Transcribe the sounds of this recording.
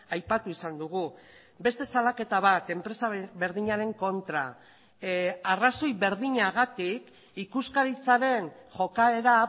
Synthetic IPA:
ajpat̪uisand̪uɣ̞u | be̞st̪e̞salake̞t̪aβ̞at̪e̞mpɾe̞saβe̞ɾðiɲaɾe̞ŋko̞nt̪ɾa | araso̞jβe̞ɾðiɲaɣat̪ik | ikuskaɾit͡saɾe̞nʝo̞kae̞ɾa

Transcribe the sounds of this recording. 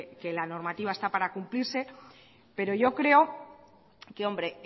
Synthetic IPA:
ke̞lano̞ɾmat̪iβ̞aest̪apaɾakumpliɾse̞ | pe̞ɾo̞ʝo̞kɾe̞o̞ | keo̞mbɾe̞

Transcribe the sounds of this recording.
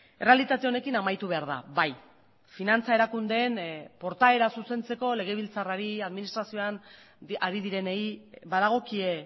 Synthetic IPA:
e̞re̞alit̪at̪e̞o̞ne̞kinamajt̪uβe̞aɾð̞a̰βaj | finant͡sae̞ɾakund̪e̞ːnpo̞ɾt̪ae̞ɾasuse̞nt͡se̞ko̞le̞ɣ̞e̞β̞ilt͡saraɾiaðminist̪ɾasio̞an | aɾiðiɾe̞nejβaðaɣ̞o̞kie̞

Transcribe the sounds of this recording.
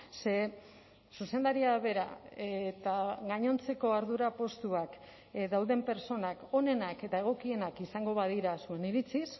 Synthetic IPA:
se̞ | suse̞nd̪aɾiaβe̞ɾa̰et̪aɣaɲo̞nt͡se̞ko̞aɾð̞uɾapo̞st̪uak | d̪awðe̞mpe̞ɾt͡so̞nako̞ne̞nake̞t̪ae̞ɣ̞o̞kie̞nakisaŋɡo̞βað̞iɾasue̞niɾit͡sis

